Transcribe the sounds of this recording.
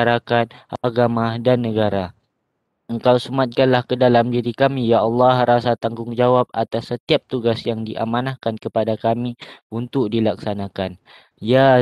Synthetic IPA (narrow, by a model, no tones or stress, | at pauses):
aɾakat̪̚ʔaɡamadanːəɡaɾa | əŋkawsəmat̪̚kanlahkədalamdiɾikamijaɑlːɑhɾasat̪aŋɡʊŋd͡ʒawap̚at̪asːət̪iap̚t̪uɡasjaŋdiʔa̰manahkankəpadakamiunt̪ʊk̚dilak̚sanãkan | ja